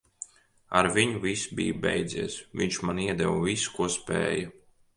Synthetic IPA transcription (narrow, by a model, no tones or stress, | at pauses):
aɾvʲiɲuvʲisbḭːjbɛ̰jd̪ziɛsvʲiɲt͡ʃmaniɛd̪ɛvvʲisu̥kuɔspʲɛ̰ːjɐ